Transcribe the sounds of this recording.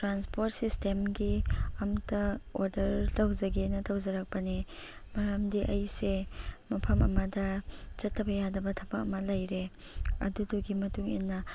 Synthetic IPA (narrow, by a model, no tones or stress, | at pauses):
tɾanspoɾt̚sistemɡiɐmtɐoɾdɐɾtɐwzɐɡenɐtɐwzɐɾak̚pɐni | mɐɾɐmdiʔɐjsemɐpʰɐmɐmɐdɐt͡ʃɐtʰːɐbɐjadɐbɐtʰɐbɐk̚ɐmɐlɐjɾe | ɐ̰duduɡimɐtuŋḭnːɐ